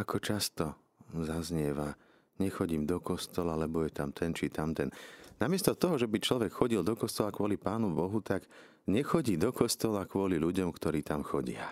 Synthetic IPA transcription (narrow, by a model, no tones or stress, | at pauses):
akʰɔt͡ʃast̪ɔ | zazɲɪɛʋa | ɲɛxɔɟimd̪ɔkɔst̪ɔlalɛbɔjɛt̪amt̪ʰɛnt͡ʃit̪amt̪ɛnnamɪɛst̪ɔt̪ɔɦɔʒɛbit͡ʃlɔʋɛkxɔɟild̪ɔkɔst̪ɔlakʊɔlipaːnubɔɦut̪aɡ | ɲɛxɔɟiːd̪ɔkɔst̪ɔlakʊɔliʎuɟɔmkt̪ɔɾiːt̪amxɔɟɪa̰